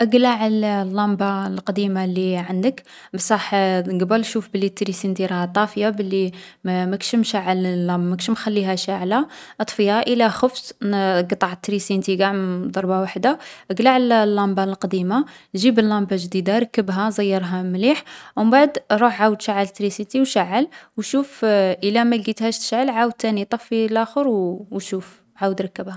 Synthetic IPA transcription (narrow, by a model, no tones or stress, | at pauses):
ʔəɡlaʕəllːɑmbalqɑd̪imalːiʕand̪ək | bsˤɑħɡbəlʃufbəlːit̪ːɾisint̪iɾˤɑht̪ˤːɑfjabəlːi | mækʃəmʃaʕəllːɑmbmækʃmxælːiɦæʃaʕlaʔət̪ˤfəjaʔəlæxəfsɡt̪ˤːɑʕt̪ːɾisint̪iɡaʕməd̪ˤɑɾˤbawaħd̪aʔəɡlaʕəllːɑmbɑlqɑd̪imaʒibəlːɑmbaʒd̪id̪aɾˤɑkːəbɦæzˤəjːəɾˤɦamliħwmbaʕəd̪ɾˤuħʕawəd̪ʃaʕːəlt̪ːɾisint̪iwʃaʕːəlwʃufʔəlæmæɡit̪hæʃt̪ə̥ʃʕəlʕawəd̪̚t̪ːænit̪ˤɑfːilʔæxəɾwʃuf | ʕawəd̪ɾˤɑkːəbha